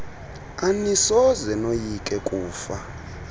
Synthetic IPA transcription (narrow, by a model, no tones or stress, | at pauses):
anisɔzɛnojikʼɛkʼuːfa